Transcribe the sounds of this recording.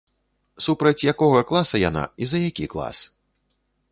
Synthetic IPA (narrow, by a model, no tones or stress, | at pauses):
supɾɐt͡sʲjakɔɣɐklˠasɐja̰na̰izɐjakʲiklˠa̰s